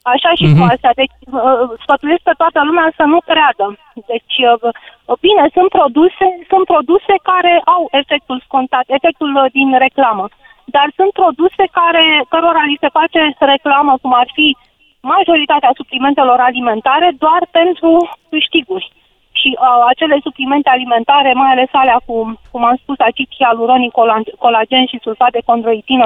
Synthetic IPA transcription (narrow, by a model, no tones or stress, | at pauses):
aʃaʃikuast̪ead̪e̞t͡ʃʲsfət̪ujes̚kət̪oat̪əlumeasənukɾead̪ə | d̪e̞t͡ʃʲ | bine̞sunt̪̚pɾo̞d̪use̞sunt̪̚pɾo̞d̪use̞kaɾe̞ʔawe̞fe̞k̚t̪ulsko̞nt̪at̪e̞fe̞k̚t̪uld̪inre̞klamə | d̪arsunt̪̚pɾo̞d̪use̞kaɾe̞kəɾo̞ɾalisefat͡ʃe̞re̞klaməkumarfi | maʒo̞ɾit̪at̪easuplime̞nt̪e̞lo̞ɾalime̞nt̪aɾe̞d̪oarpe̞nt̪ɾukɨʃt̪iɡurʲ | ʃiʔat͡ʃe̞le̞suplime̞nt̪e̞alime̞nt̪aɾe̞majale̞saleakukumamspusat͡ʃit͡ʃ̪ialuɾonikolako̞lad͡ʒe̞nʃisulfat̪̚d̪eko̞nd̪ɾo̞it̪inə